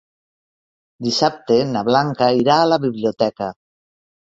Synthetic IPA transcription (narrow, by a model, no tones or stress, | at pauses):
d̪isap̚t̪enaβlaŋkaiɾaːlaβiβljot̪ɛka